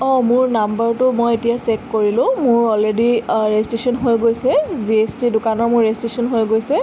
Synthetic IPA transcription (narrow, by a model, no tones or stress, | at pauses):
ɔ̃mʊɹnambəɹtʊmojetijasekːoɹilʊ̃mʊɹɔlediɹestɹisɔnɦojɡojsɛziestidʊkanɔɹmʊɹːestɹisɔnɦojɡojsɛ